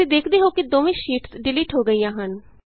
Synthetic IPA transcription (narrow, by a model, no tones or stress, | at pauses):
ed̪eːkʰd̪eːɦoːkɪd̪oːʋĩːʃiːʈsɖɪliːʈɦoːɡəiːjãːɦən